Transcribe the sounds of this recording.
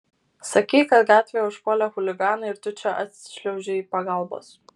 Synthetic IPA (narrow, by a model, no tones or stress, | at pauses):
sɐkʲɛɪkɐt̪ɡɑːt̪ʲʋʲejɛʊʃkoːlʲɛxʊlʲɪɡɑːnɐɪɾt̪ʊt͡ʃʲɛʔɐt̪ʲsʲɪ̥ʃʲlʲɛʊʒʲɛiːpɐɡɐˑlˠbo̰ːs